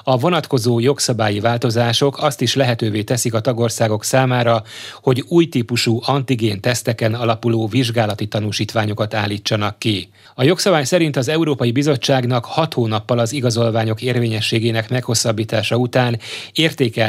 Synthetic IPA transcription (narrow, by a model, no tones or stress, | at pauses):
ɒvo̞nɒt̪ko̞zoːjo̞ksɒbaːjivaːlt̪o̞zaːʃo̞kʰɒst̪iʃlɛɦɛt̪øːveːt̪ɛsikɒt̪ɒɡo̞rsaːɡo̞ksaːmaːɾɒho̞ɟuːjt̪iːpuʃuːʔɒnt̪iɡeːnt̪ɛst̪ɛkɛnɒlɒpuloːviʒɡaːlɒt̪it̪ɒnuʃiːt̪ʋaːɲo̞kɒt̪aːlːiːt͡ʃːɒnɒkːi | ɒjo̞ksɒbaːjsɛɾin̪t̪ɒzɛuɾoːpɒjibizo̞t͡ʃːaːɡnɒkhɒt̪hoːnɒpːɒlɒziɡɒzo̞lvaːɲo̞keːrveːɲɛʃːeːɡeːnɛkmɛkho̞sːɒbːiːt̪aːʃɒut̪aːneːrt̪eːkɛ